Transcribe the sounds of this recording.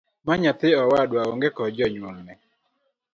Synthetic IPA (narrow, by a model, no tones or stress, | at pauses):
maɲat̪ɪɔwadwaoŋɡekɔd͡ʒɔɲwɔŋnɛ